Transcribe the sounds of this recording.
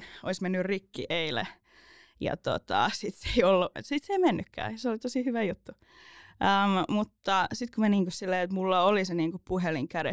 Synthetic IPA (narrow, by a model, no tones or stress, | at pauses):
oismenːyrrikːḭʔeilḛ | jɑ̰t̪o̰t̪ɑ̰sit̪seiolːṵsit̪seimenːykːæ̰ːjɑseolit̪osihyʋæjut̪ːu | ʔəmmut̪ːɑsit̪kumeniːŋkussilːeːet̪mulːɑoliseniːŋkupuɦeliŋkæɾḛ